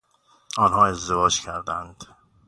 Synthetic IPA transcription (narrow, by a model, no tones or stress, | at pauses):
ʔɒːnhɒːe̞zd̪e̞vɒːd͡ʒcʰæɾd̪ænd̪̥